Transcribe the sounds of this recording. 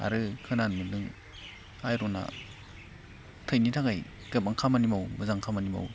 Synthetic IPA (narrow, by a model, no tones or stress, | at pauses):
a̰ɾɯkʰɯnanmɯdɯŋ | ajɾɔna̰ | tʰɯjnitʰaŋaj | ɡɯpaŋkʰamanimawmɯzaŋkʰamanima̰w